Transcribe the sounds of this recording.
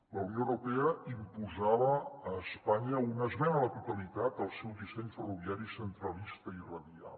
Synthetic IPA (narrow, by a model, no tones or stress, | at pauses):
ləwnioəwɾupɛəimpuzaβəːspaɲəunəzβɛnələt̪ut̪əlit̪at̪əlˠsɛwdisɛɲfəroβjaɾisənt̪ɾəlist̪əirəðia̰lˠ